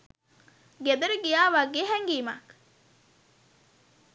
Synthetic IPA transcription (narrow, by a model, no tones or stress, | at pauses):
ɡed̪ɐɾuɡijaːʋaɡeːɦæŋɡiːma̰k